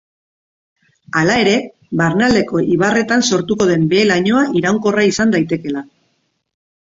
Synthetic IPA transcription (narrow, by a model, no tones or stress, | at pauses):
alae̞ɾe̞ | βaɾnald̪e̞ko̞ʔiβ̞are̞t̪anso̞ɾt̪uko̞ðe̞mbe̞ːlaɲo̞aʔiɾawŋko̞raisand̪ajt̪e̞ke̞la